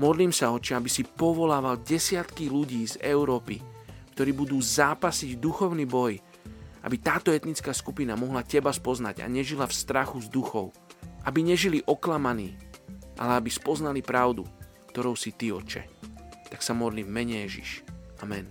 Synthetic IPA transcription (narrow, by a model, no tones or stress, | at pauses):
mɔd̪liːmsaɔt͡ʃɛabisipɔʋɔlaːʋalɟɛsɪat̪kiluɟiːzɛʊɾɔːpikt̪ɔɾiːbud̪uːzaːpasiɟd̪uxɔʊniːbɔj | ʔa̰bit̪aːt̪ɔɛt̪nit͡skaːskupinamɔɦlacɛbaspɔznaɟa̰ɲɛʒilafst̪ɾaxuzd̪uxɔʊ | ʔabiɲɛʒiliʔɔklamaniːʔa̰lɛabispɔznalipɾaʊd̪ṵ | kt̪ɔɾɔʊsit̪iɔ̰t͡ʃɛ̰t̪aksamɔd̪liːmːɛɲɛjɛʒḭʃʔamɛn